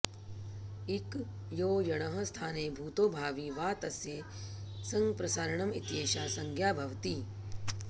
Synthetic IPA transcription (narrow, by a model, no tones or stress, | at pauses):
ik | joːjɐɽ̃ɐɦɐst̪ʰaːneːbʱuːt̪oːbʱaːʋiːʋaːt̪ɐsjeː | sɐ̃ŋɡpɾɐsaːɾɐɳɐmḭt̪jeːʃaːsɐŋɡʱjaːbʱɐʋt̪iː